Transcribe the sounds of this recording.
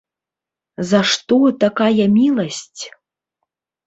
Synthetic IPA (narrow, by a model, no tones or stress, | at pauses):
zɐʂt̪ɔt̪akajɐmʲilˠɐsʲt͡sʲ